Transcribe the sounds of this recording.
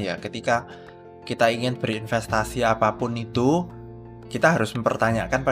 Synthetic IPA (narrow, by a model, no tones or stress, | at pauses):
jakət̪ika | kit̪aiŋɪnb̥əɾinfɛst̪asiapapʊnit̪u | kit̪aɦaɾʊsməmpərt̪aɲakanpa